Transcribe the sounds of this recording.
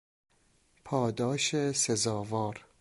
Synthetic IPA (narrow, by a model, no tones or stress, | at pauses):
pʰɒːd̪ɒːʃesezɒːvɒːɾ